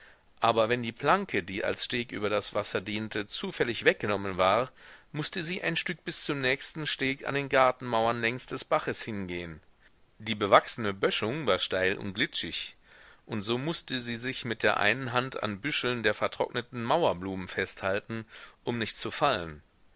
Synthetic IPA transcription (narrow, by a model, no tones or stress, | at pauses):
ʔaːbɐvɛndiːpl̥aŋkʰədiːʔa̰lsʃteːkʔy̰ːbɐdasv̥asɐdiːntʰət͡suːfɛlɪçv̥ɛk̚ɡ̥ənɔmənvaːʁmʊstəziːʔa̰ɪnʃtʏk̚b̥ɪst͡sʊmnɛːçstn̩ʃteːka̰ndeːnɡaɐtn̩maʊɐnlɛŋst̚d̥ɛsb̥aχəshɪnɡeːən | d̥iːbəvaksənəbœʃʊŋvaːɐʃtaɪlʔʊ̰ntɡ̥lɪt͡ʃɪç | ʔʊntz̥oːmʊstəziːzɪçmɪt̚d̥eːɐʔa̰ɪnənɦantʰa̰nbʏʃl̩ndeːɐfɛɐtʁ̥ɔ̰knətn̩maʊɐbluːmənfɛsthaltn̩ʔʊmnɪçt̚t͡sufalən